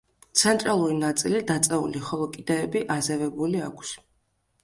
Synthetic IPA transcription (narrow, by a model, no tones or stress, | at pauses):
t̪sʰɛnt̪ʼɾalˠuɾinat̪sʼilid̪at̪sʼɛṵliχɔlˠɔkʼid̪ɛːbiʔazɛvɛbuliakʷʰs